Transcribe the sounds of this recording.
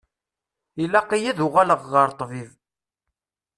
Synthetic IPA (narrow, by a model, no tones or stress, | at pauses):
ilːaqijiðʊʁaləʁːəɾt̪ˤːviv